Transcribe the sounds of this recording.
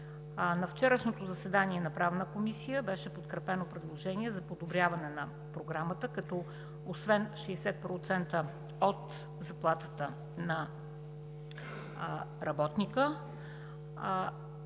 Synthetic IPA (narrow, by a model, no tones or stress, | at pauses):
nɐft͡ʃɛɾəʃnot̪ozɐsɛd̪aniɛnɐpɾavnəkomisijəbɛʃɛpot̪kɾɛpɛnopɾɛd̪lˠoʒɛniɛzɐpod̪obɾʲjavɐnɛnɐ | pɾoɡɾamət̪əkɐt̪ɔ | osvɛnʃɛːsɛt̪̚pɾot̪sɛnt̪ə | ot̪ | zɐplˠat̪ət̪ə | nɐ | ɾɐbɔt̪nikə